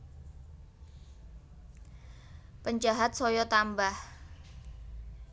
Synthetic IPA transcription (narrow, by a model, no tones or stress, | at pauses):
pəɲd͡ʒaɦat̪̚sɔjɔt̪ambah